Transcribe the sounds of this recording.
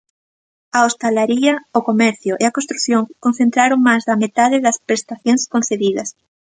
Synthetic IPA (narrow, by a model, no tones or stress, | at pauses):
aost̪alaɾiɐokomɛɾθjoʔeakonst̪ɾuθjõŋkon̟θent̪ɾaɾoŋmazðɐmet̪aðeðɐspɾest̪aθjoŋskõn̟θeðiðɐs